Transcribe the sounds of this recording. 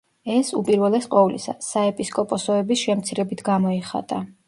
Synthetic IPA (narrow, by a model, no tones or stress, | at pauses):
ɛsupʼiɾvɛlɛsqʼɔvlḭsa̰saɛpʼiskʼɔpʼɔsɔɛbisʃɛmt̪sʰiɾɛbit̪ʰɡamɔiχa̰t̪ʼa